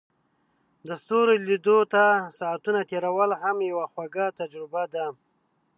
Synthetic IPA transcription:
d̪əst̪oɾelid̪ot̪asaːt̪unat̪eɾawəlɦamjawaxwaɡat̪ad͡ʒɾɪbad̪a

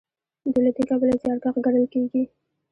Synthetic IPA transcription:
d̪əlad̪ikabəlazjɑɾɡaxɡaɾəlkeɡi

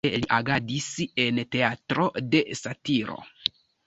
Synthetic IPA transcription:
eliʔaɡadise̞nte̞atɾo̞de̞satiɾo̰

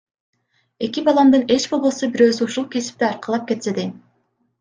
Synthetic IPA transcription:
e̞kibɑlˠɑmd̪ɯne̞t͡ʃbo̞lˠbˠosubiɾø̞ːzyuʃulˠkʰe̞si̥p̚t̪iɑɾqɑlˠɑp̚ke̞t̪se̞d̪e

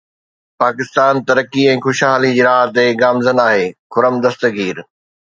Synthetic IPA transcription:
paːkɪst̪aːnt̪ɐɾəkiɛ̃ːxʊʃɦaːlid͡ʑiːɾaːɦt̪eɡaːmzənaːɦeːkʰʊɾəmd̪ɐst̪ə̆ɡʱiːɾ

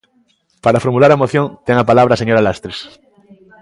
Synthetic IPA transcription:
paɾafoɾmulaɾaemoθjõŋt̪eŋapalaβ̞ɾaseɲoɾalast̪ɾes

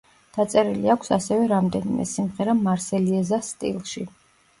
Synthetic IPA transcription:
d̪̥at̪sʼɛɾiliakʷʰsasɛvɛɾamd̪ɛnimɛ̰simʁɛɾamaɾsɛliɛzast̪ʼḭlˠʃi

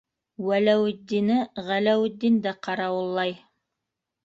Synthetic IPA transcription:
wælæwɘ̆d̪ːinɘʁælæwɘ̆d̪ːind̪æqʰɑɾɑwɤ̆lˠːɑj

